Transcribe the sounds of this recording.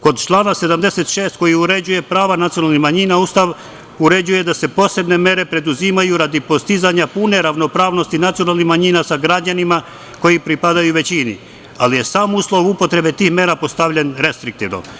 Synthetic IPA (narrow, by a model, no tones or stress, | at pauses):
ko̞d̪t͡ʃlˠaːnase̞d̪amd̪ese̞t̪ʃe̞ːst̪̚ko̞jiuɾe̞d͡ʑuje̞pɾaːʋanat̪sionalˠnihmaɲiːnaust̪aʋ | uɾe̞d͡ʑuje̞d̪ase̞po̞se̞bne̞me̞ɾe̞pɾe̞d̪uzimajuɾad̪ipo̞st̪izaɲapune̞ɾaʋno̞pɾaːʋno̞st̪inat̪sijo̞nalˠnihmaɲiːnasaɡɾad͡ʑanima | ko̞jipɾipad̪ajuʋe̞t͡ɕinḭ | alije̞saːmuslˠo̞ʋupo̞t̪ɾe̞be̞t̪iːxme̞ɾapo̞st̪aʋʎe̞nɾe̞st̪ɾik̚t̪iʋno̰m